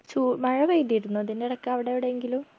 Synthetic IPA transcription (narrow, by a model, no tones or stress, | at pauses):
t͡ɕuːmɐɻɐʋɐjt̪ːiɾunːut̪inːeɐɽɐkːɐɐʋiɽeʋiɽeeŋɡilum